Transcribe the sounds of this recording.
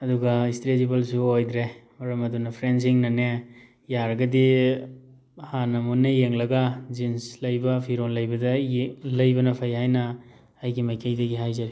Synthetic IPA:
ɐduɡɐistɾezibɐlsuojd̪ɾejmɐɾɐmɐdunɐpʰɾens̬iŋnɐne | jaɾɐɡɐdi | hanɐmunɐjeŋlɐɡad͡ʒinslɐjbɐpʰiɾonlɐjbɐdɐlɐjbɐnɐpʰajhajnɐː | jɡimɐjkʰejdɐɡiɦajzɐɾi

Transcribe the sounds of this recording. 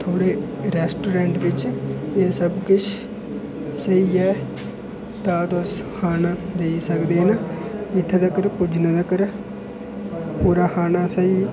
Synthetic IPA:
t̪ʰoːɽeː | ɾɛːsʈoːɾɛ̃ːɳʈʋɪt͡ʃeːsəbkʊt͡ʃʰ | səiːɛː | t̪aːd̪oːskʰaːnaːd̪eːisəkd̪eːnaɪt̪ʰːed̪əkəɾpʊd͡ʒnãːd̪akəɾ | puːɾaːkʰaːnaːsəiː

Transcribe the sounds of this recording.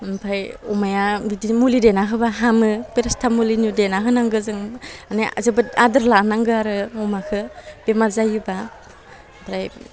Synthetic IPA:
mpʰajumajabidimulidenaɦɯbaɦamɯpeɾastʰamulinudenaɦɯnaŋɡɯzɯŋanaazɯbɯadɯɾlanaŋɡɯaɾɯɔmakʰɯb̥emazajɯba | bʰɾaj

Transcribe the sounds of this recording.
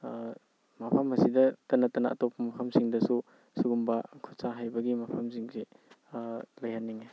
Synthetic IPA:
mapʰɐmhɐsidɐtɐnɐtɐnɐɐ̰tɔpʰːɐmɐpʰɐmsiŋdɐsu | suɡumbɐkʰusaɦajbɐɡimapʰamsiŋzi | lɐjhanːiŋe

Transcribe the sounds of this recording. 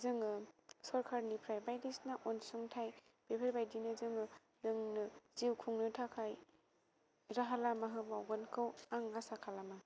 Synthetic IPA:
zɯŋɯsɔɾkʰaɾnipʰɾajbajdisnaʔɔnsɔŋtʰaj | b̥epʰeɾbajdinɯzɯŋɯ | dɯŋnɯziwkʰuŋnɯtʰakʰaj | ɾaɦalamaɦɯbawɡɔnkʰɯwaŋːasakʰalama

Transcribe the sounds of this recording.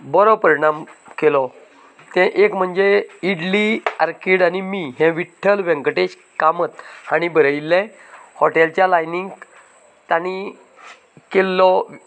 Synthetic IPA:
bɔɾɔpəɾiɳamkelɔ | t̪ɛ̃ʔekm̤əɳd͡ʑeiɽlia̰ɾkiɽanimiɦɛ̃ʋiʈʰːəlʋɛ̃ŋkəʈeɕ | kamət̪aɽ̃ibəɾəilːɛ̃ | hɔʈelt͡ɕjalajniŋɡ | t̪ani | kelːɔ

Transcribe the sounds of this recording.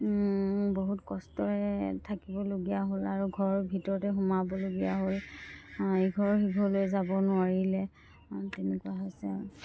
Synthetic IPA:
boɦutkɔstɔɹɛtʰakibɔloɡijaɦolaɹuɡʱɔɹɔɹbʱitɔɹɔtɛɦumabɔloɡijaɦol | eɡʱɔɹɔɹxiɡʱɔlojzabɔnʊaɹilɛ | tɛnɛkuwaɦojsɛ

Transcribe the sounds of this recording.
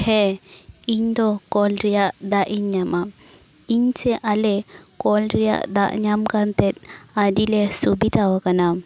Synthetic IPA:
hɛ | iɲd̪ɔkɔlɾɛjaʔd̪aʔiɲɲama | iɲsɛʔalɛkɔlɾɛja̰ʔd̪a̰ʔɲamkant̪ɛt̪̚adilɛsubit̪awakana

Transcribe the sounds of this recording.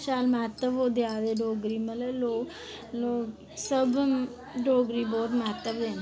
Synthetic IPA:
ʃaːlmaːt̪əʋoːd̪eaːʋeːɖoːɡɾiːmələloː | loː | səb | ɖoːɡɾiːbɔːt̪maːt̪əʋd̪en

